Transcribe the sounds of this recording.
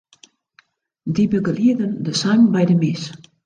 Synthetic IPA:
dibəɡəliədəndəsambajdəmɪs

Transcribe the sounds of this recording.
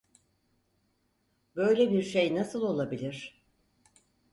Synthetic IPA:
bø̞jlʲebiɾʃejnasɯlˠo̞lˠabilʲiɾ̥

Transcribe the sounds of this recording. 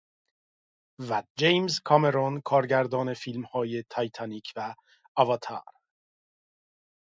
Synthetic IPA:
væd͡ʒejmzkʰɒme̞ɾonkʰɒːɾɡɟæɾd̪ɒːne̞fiːlmhɒːje̞t̪ʰɒjt̪ʰɑniːcʰvæː | vɒt̪ʰɑ̰ɾ

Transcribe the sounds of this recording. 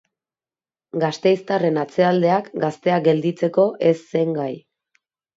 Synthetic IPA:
ɡast̪e̞jst̪are̞nat͡se̞ald̪e̞akɡast̪e̞aɡe̞ld̪it͡se̞ko̞ʔe̞sːe̞ŋɡaj

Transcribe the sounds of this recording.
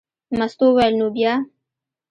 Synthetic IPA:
mast̪owajlnobjɑ

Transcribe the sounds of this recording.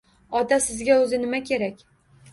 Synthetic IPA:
ɒt̪asɪzɡʲaɵzɪnɪmakʲʰe̞ɾakʲ

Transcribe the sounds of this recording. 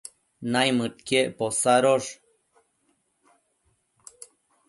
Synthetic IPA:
najmɨʈ̪keʔposaɾoʂ

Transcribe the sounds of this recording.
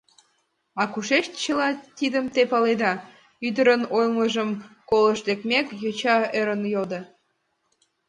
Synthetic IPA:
ɑkuʃeʃt̪t͡ɕəlɑt̪id̪əmt̪epɑled̪ɑ | yd̪əɾənojlməʒəmkoləʃd̪ekmʲekjot͡ɕɑeɾənjod̪ə

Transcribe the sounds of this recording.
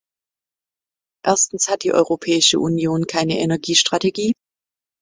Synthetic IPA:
ʔeɐstn̩shat̚d̥iːʔɔ̰ʏʁopʰɛːɪʃə̰ʔunjoːnkʰaɪnəʔenɛɐɡiːʃtʁ̥ateɡiː

